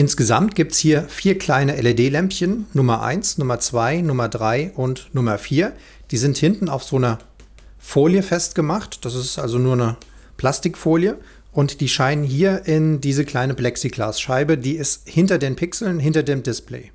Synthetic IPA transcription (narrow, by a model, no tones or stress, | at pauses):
ʔɪnsɡ̥əza̰mt̚ɡ̥iːp̚tshiːɐfiːɐkl̥aɪnəʔɛledeːlɛmpçənːʊmɐʔa̰ɪnsnʊmɐt͡sv̥aɪnʊmɐdʁaɪʔʊntnʊmɐfiːɐ | d̥iːzɪnthɪntn̩a̰ʊfz̥oːnɐ | foːljəfɛstɡ̥əmaχtd̥asɪstʔalzonuːɐnə | pʰl̥astɪkfoːljə | ʔʊntd̥iːʃaɪnənɦiːɐʔɪndiːzəkl̥aɪnəplɛksiɡla̰ːsʃaɪbədiːɪsthɪntɐdeːnpʰɪksl̩nɦɪntɐdeːmdɪsplɛ̰ɪ